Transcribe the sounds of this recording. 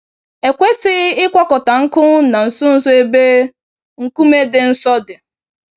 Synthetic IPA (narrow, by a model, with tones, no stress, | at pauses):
e˨kʷe˦sɪ˦ɪ˦kʷɔ˦kɔ˨ta˨ŋ̩˦kʊ˦na˨n̩˨sʊ˦n̩˦sʊ˦e˦be˦ | ŋ̩˨ku˦me˦dɪ˨n̩˦sɔ˦dɪ˨